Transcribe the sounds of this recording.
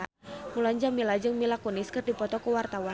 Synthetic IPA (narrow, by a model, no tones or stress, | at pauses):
mulaɲd͡ʒamilad͡ʒɨŋmilakunɪskɨrdipɔt̪ɔkəwart̪awa